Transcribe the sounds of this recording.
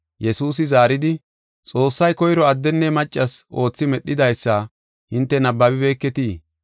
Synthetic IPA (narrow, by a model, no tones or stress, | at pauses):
jɛsuːs̬ɪzaːɾɪd̪ɪ | t͡sʼo̞ːsːɐjkɔjɾɔɐd̪ːɛnːɛmɐt͡ʃʼːɐsʔo̞ːt͡sːɪmɛɗːɪd̪ɐjsːɐ | hɪnt̪ːɛnɐbːɐbɪbe̞ːkːɛt̪iː